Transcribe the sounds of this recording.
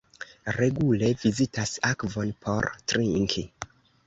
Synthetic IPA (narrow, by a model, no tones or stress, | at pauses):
ɾe̞ɡule̞vizitʰasakvo̞npʰo̞ɾtɾiŋkʰi